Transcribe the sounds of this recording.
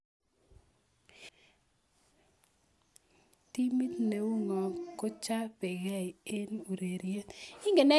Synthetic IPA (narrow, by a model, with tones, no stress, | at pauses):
ti˦mi˦t̪ne˨wu˦ŋɔ˨ko˦t͡ʃa˦pɪ˨ɣɛ˦i˨e˦nu˨ɾe˨ɾje˦t̪ɪ˦ŋɡe˨nɛ˦